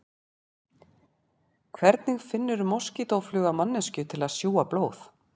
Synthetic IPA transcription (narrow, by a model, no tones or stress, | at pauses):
kʰvɛɾt̪nɪɣfɪnːʏɾmɔwscit̪owflʏːɣamanːɛscʏt̪ʰɪlaðsjuːaploːwθ